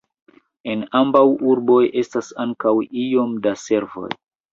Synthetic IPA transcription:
e̞nambawuɾbo̞jʔe̞stasaŋkawio̞mdase̞ɾvo̞̰j

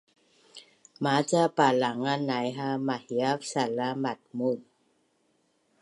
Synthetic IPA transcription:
mat͡ɕapalaŋanajɦamahiafsalamat̪̚mun̚

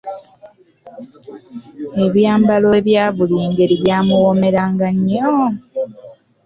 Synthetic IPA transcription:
e̞βjaːmbaloeβjaːβuliːŋɡe̞ɾiβjaːmuwome̞ɾaːŋɡaɲːo

